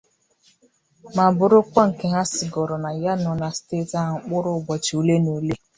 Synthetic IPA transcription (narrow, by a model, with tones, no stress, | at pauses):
ma˨bʊ˨ɾʊ˦kʷa˦ŋ̩˨ke˨ɦa˦sɪ˨ɡɔ˨ɾɔ˨na˨ja˦nɔ˨na˨ste˦ta˦˨ŋ̩˨k͡pʊ˦ɾʊ˦˨ɡ͡bɔ˨t͡ʃo˨le˦no˨le˦